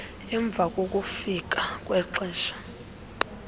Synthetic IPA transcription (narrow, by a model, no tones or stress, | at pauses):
ɛɱb̪vʱak̬ʼok̬ʼufik̬akʼwɛǀiːʃḁ